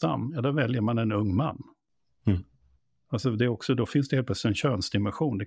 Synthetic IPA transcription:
a̰mːjad̪ɔɾvɛljəɾmanɛnɵŋːmanː | alsɔd̪ɛːɾɔksɔd̪ɔfɪnsd̪ɛhelplœslɪt̪ɛnɕønsd̪ɪmɛnɧuːnd̪ɛ

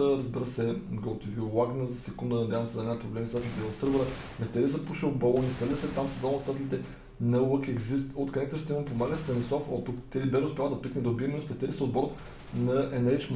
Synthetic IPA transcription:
əɾɐzbiɾəsɛɡolˠt̪ivʲulˠaɡnəzɐsɛkund̪ənɐd̪ʲjavɐmsɛd̪ɐnʲapɾoblɛmit̪t̪at̪ɛlʲit̪ɛlˠɐsɤɾvəɾə | nɛst̪ɛɾʲizɐpuʃilˠbolˠonist̪ɛɾlʲəsɛt̪amsɐzalˠmot̪sat̪ɛlʲit̪ɛ | nɐwəkɛɡzist̪ot̪kɐnɛkt̪əʃt̪ɛiməmpomaɡəst̪ɐnɛsɔfot̪ukt̪ɛlibɛʃɛʊspʲalˠəd̪ɐpit̪nɛd̪obimʲɛnʃt̪ɛst̪ɛɾʲisɛod̪̚bɔɾət̪ | nɐɛnɛt͡ʃm

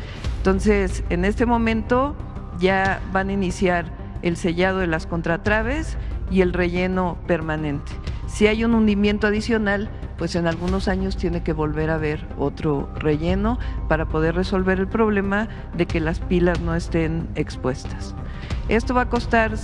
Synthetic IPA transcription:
ent̪o̞nse̞sene̞st̪e̞mõ̞mẽ̞nt̪o̞ | ʝaβaninisjaɾ | else̞ʝað̞o̞ðelasko̞nt̪ɾat̪ɾaβ̞e̞sie̞lre̞ʝe̞no̞pe̞ɾmãnẽ̞nt̪e̥siajunũnd̪imjẽ̞nt̪oaðisjo̞nal | pwe̞se̞nalɣuno̞saɲo̞st̪je̞ne̞ke̞βo̞lβe̞ɾaβe̞ɾ | o̞t̪ɾo̞re̞ʝe̞no̞paɾapo̞ð̞e̞ɾre̞so̞lβe̞ɾe̞lpɾo̞βle̞ma | ðe̞ke̞laspilazno̞e̞st̪e̞ne̞kspwe̞st̪ḁs | e̞st̪o̞βako̞st̪aɾ

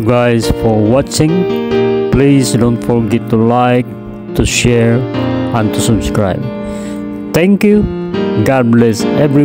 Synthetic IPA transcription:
ɡaɪzfɔɹwɑt͡ʃɪ̃ŋ | plizdõʊ̃ntfɔɹɡɛtːulaɪk̚ | tuʃɛɹə̃nt̪ʰusʌbskɹa̰ɪb̚ | t̪ɛ̃ŋkjuɡɑd̚blɛsɛvɹi

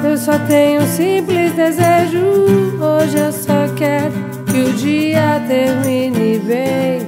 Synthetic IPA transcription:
ewsɔt̪ẽjɲʊ̃sĩplizd̪ezeʒʊoʒɪewsɔkɛɾʊ | kɪʊd͡ʒiɐt̪eʒʊ̃ĩnivej

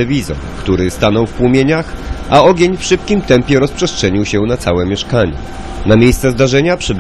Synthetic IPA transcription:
ɛvʲizɔ̰ɾkt̪uɾɘst̪anɔwfpwumʲjeɲaxʔaɔɡʲjeɲfʂɘpkʲimt̪ɛmpʲjɛɾɔspʂɛstʂɛɲiwɕɛnat̪sawɛmʲjɛʂkaɲɛ̰ | namʲjejst̪sɛzd̪aʐɛɲapʂɛb

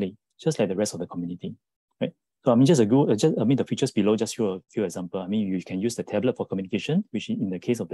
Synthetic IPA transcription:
li | d͡ʒaslajk̚dəɹɛstɔfdəkʰɔmjuniti | ɹaɪt̚ | soaɪmĩnd͡ʒas̬əɡuəd͡ʒasamĩndəfit͡ʃəsbilod͡ʒasjuəfjuɛkz̥ãmpəlajmĩnjukʰɛ̃njusdətʰɛblət̚fɔkʰɔmjunikeʃə̃nwit͡ʃĩndəkʰes̬ɔfd

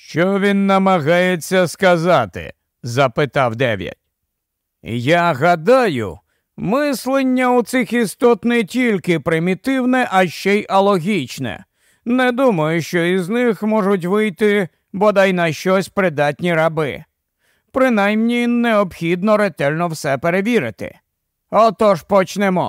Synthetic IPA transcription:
ʃt͡ʃɔʋʲinːɐmɐɣajet͡sʲːɐskɐzat̪ɪ̰ | zɐpɪt̪ɑwd̪ɛ̰ʋʲjɐ̰t̚ʲ | jaɦɐd̪ajʊ̰ | mɪslˠenʲːɐut̪sɪxist̪ɔt̪nɛtʲilʲkɪpɾɪmʲit̪ɪwnɛʔɐʃt͡ʃɛjɐlˠɔɦʲit͡ʃnɛ̰ | nɛd̪umɐjʊʃt͡ʃɔiznɪxmɔʒʊt̬ʲʋɪjt̪ɪ | bɔd̪ajnɐʃt͡ʃɔsʲpɾɪd̪ɑtʲnʲiɾɐbɪ̰ | pɾɪnajmnʲinːeɔbxʲid̪nɔɾet̪ɛlʲnɔwsɛpeɾeʋʲiɾɪt̪ɪ̰ | ɔt̪ɔʒpɔt͡ʃnɛmɔ̰

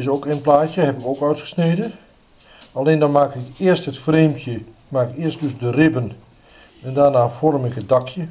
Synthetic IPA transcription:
ɪsoːkɛnplaːtjəɦɛbɪkoːkœɥtxə̥sneːdən | aleːndɔnmaːkɪkɪərsthətfreːmtʰjə | maːkɪkɪərstdøsdərɪbən | ɛndaːnaːfɔrmɪkət̚dakʰjə

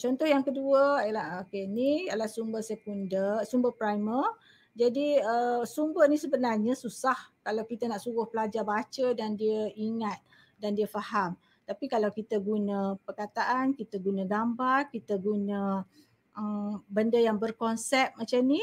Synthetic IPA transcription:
t͡ʃɔnt̪ɔhjaŋkəduəəlaɦokenialahsumbəsəkundəsumbəpɾajmər | d͡ʒadiəsumbərnisəbənarɲəsusahkalawkit̪anaʔsuɣʊhpəlad͡ʒarbat͡ʃədandiəiŋat̪̚ | dandiəfaham | t̪apikalawkit̪əɡunə̃pərkat̪aʔankit̪əɡunãɡambarkit̪əɡunə̃ | əmbəndəjaŋbərkɔnsɛp̪̚mat͡ʃamni

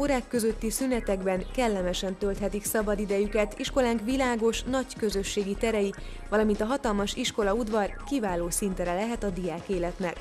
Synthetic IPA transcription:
oɾaːkːø̞zø̞t̪ːisynɛt̪ɛɡbɛŋkɛlːɛmɛʃɛnt̪ølt̪hɛt̪iksɒbɒd̪id̪ɛjykɛt̪iʃko̞laːŋkʋilaːɡo̞ʃnɒckø̞zø̞ʃːeːɡit̪ɛɾɛji | ʋɒlɒmint̪ɒɦɒt̪ɒlmɒʃiʃko̞lɒud̪ʋɒrkivaːloːsint̪ɾɛlɛɦɛt̪ɒd̪ijaːkeːlɛt̪nɛk

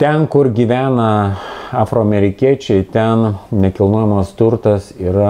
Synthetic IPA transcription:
t̪ʲɛnkʊrɡʲiʋʲæːnɐɑːfɾoːɐmʲɛɾʲɪkʲiɛt͡ʃʲɛɪt̪ʲɛnnʲɛkʲɪlˠnuɔjɛmɐst̪ʊrt̪ɐsiːɾɐ

